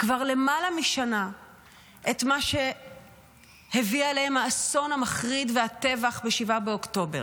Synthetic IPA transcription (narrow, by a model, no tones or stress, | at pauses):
kvaʁle̞malamiʃana | ʔetmaʃe̞ | hevialehemhaːso̞nhamaχʁidveate̞vaχbeʃivabeokto̞be̞ʁ